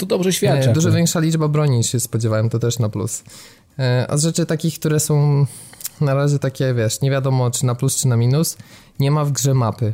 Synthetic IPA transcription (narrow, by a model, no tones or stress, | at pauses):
t̪ɔd̪ɔbʐɛɕfʲjaduʐɔvʲjɛ̃ŋkʂalʲid͡ʐbabɾɔɲiɕɛspɔd͡ʑɛvawɛmt̪ɔt̪ɛʂnaplṵs | ʔɔ̰ʐɛt͡ʂɘt̪akʲixk̚t̪uɾɛsɔ̃w̃ | naɾaʑɛt̪akʲɛvʲjɛʂɲevʲjad̪ɔmɔt͡ʂɘnaplust͡ʂɘnamʲinus | ɲɛmavɡʐɛmapɘ